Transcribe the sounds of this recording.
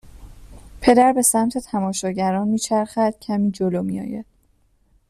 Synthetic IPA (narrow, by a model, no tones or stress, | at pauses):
pʰe̞d̪æɾbe̞sæmt̪ʰe̞t̪ʰæmɒːʃɒːɟæɾɒːnmiːt͡ʃʰæɾχæd̪̥cʰæmiːd͡ʒolomijɒ̰ːjæd̪̥